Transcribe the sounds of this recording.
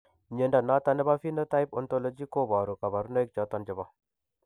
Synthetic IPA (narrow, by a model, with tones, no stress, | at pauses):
ɲe˨nda˨na˦ta˦nɛ˦ba˦fi˦nə˦ta˦i˦pɔ˨nto˦lo˦d͡ʒi˦ko˦˨bɔ˨ɾu˨ka˨ba˨ɾno˦jk̚t͡ʃɔ˨˦tɔ˦nd͡ʒɪ˨bɔ˦